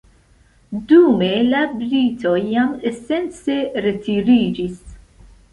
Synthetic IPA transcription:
d̪umelabɾit̪ojamesent͡seɾet̪iɾid͡ʒis

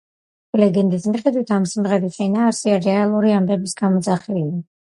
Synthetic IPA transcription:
lɛɡɛnd̪ismiχɛd̪wit̪ʰamsimʁɛd̪isʰɛnaːɾsiaɾɛalˠuɾiambɛbisɡamɔd̪zaχɛlɛ

